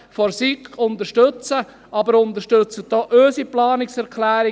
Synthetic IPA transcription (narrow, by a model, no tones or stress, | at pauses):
fɔɾsikʰʊnt̪əɾʃtɵt͡sə | ɑbəɾʊnt̪əʃtøt͡sədɔːʔøːsiplɑːnɪksɛɾkʰlæːɾɪ